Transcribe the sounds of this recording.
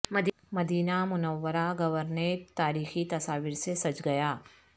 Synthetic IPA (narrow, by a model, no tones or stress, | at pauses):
mɐd̪ | mɐd̪iːnamʊnəʋːəɾaɡɐʋəɾneɾt̪aːɾiːxit̪ɐsaːʋɪɾsesɐt͡ʃɡɐjaː